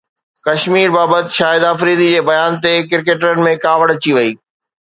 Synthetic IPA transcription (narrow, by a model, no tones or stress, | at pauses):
kɐʃmiːɾbaːbət̪ɪʃaːjɪd̪aːfɾiːd̪id͡ʑeːbɐjaːnt̪ekɪɾkeːʈəɾənɪ̆mẽkaːʋəɽət͡ɕiʋɐiː